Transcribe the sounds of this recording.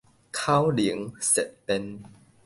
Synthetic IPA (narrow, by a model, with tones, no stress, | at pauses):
kʰaː˥˩˨wli˨˩˦əŋse˨˩t̪̚pe˧n